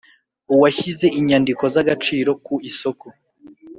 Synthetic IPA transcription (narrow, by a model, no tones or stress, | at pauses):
uwaçize̞ʔiɲandiko̞zaɡat͡ʃiːɾo̞kuiso̞ko